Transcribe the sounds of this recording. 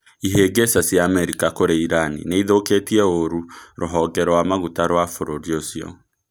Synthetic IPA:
iɦeɡesasjaːmɛɾikakoɾeiɾanḭneiðoketiɛoɾuɾoɦɔɡɛɾɔwamaɣutaɾwafoɾoɾiosiɔ̰

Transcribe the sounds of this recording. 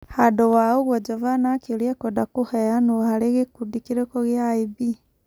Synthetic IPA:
hadowaoɣwod͡ʒovanakiljekodakuheanuhaleɣekudikiɾekoɣjaibi

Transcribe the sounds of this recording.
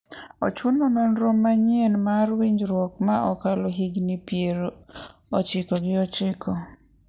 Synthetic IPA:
ɔ̰t͡ʃunɔnɔnɾɔmːaɲenmaɾwiɲd͡ʒɾwɔkmaʔɔkaloɦiɡnipjeɾ | ɔt͡ʃɪkɔɡɪɔt͡ʃɪkʰɔ

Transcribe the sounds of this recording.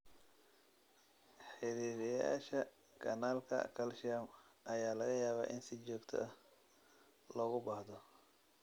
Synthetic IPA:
ħɪɾiːɾɪja̰ːʃɐ | ɡɐnaːlkʰɐ̰kʰɐlʃjamʔɐjaːlɐɣɐjaːβa̰ːʔɪnsɪt͡ʃɔːɡt̪ʰɔ̰ʔɐh | lɔːɣʊbaːhd̪ɔ

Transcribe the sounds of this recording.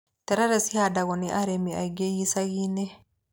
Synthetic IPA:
t̪ɛɾaɾɛsihadaɣɔniʔaɾɛmia̰ɡejisaɡinɛ

